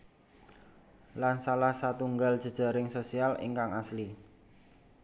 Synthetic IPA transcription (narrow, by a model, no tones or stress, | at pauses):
lansalahsat̪uŋɡald̥ʒ̥ə̤d̥ʒ̥a̤ɾɪŋsosialḭŋkaŋasli